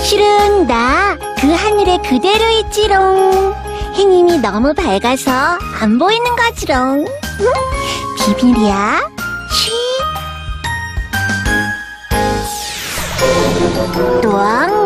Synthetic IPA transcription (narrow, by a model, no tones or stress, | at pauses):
ɕʰiɾɯnːa | kɯɦaɲiɾe̞kɯde̞ɾoit͡ɕ͈iɾoŋ | heŋiminʌmupaɭɡasʰʌ | a̰mboinɯnɡʌd͡ʑiɾoŋ | pibiɾia | ɕʰi | toaŋ